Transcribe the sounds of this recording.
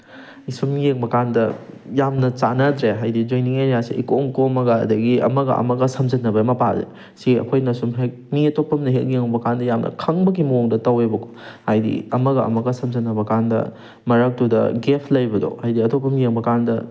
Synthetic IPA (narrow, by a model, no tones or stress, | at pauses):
isumjeŋbɐkandɐjamnɐt͡ʃanɐdɾeɦajdid͡ʒojniŋeɾjasiikomkomɐɡɐ̰ːdɐɡiɐ̰mɐɡɐ̰ɐ̰mɐɡɐsɐmzɐnːɐbɐmɐpazḛ | siɐ̰kʰojnɐsumɦek̚miɐtopːɐmnɐɦek̚jeŋbɐkandɐjamnʔɐ̰kʰɐŋbɐɡimɐoŋdɐtɐwebɐkʰo̥hajdḭɐmɐɡɐɐ̰mɐɡɐsɐmzɐnːɐbɐkandɐ̰ | mɐɾɐk̚tudɐ̰ɡepʰlɐjbɐdo̰hajdiɐtopːɐmjeŋbɐkandɐ